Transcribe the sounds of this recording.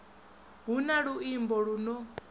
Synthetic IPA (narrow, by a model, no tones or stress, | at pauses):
ɦunaɺuimbɔɺunɔ